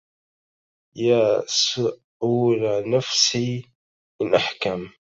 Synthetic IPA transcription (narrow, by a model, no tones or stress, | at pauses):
jaːsʊ | uːlanafsi | ɪnʔaħkam